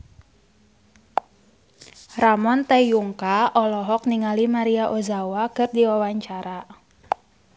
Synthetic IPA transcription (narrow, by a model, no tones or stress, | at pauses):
ramɔnt̪ɛjuŋkaʔɔlɔɦɔk̚niŋalimaɾiaʔozawakɨrdiwawaɲt͡ʃaɾa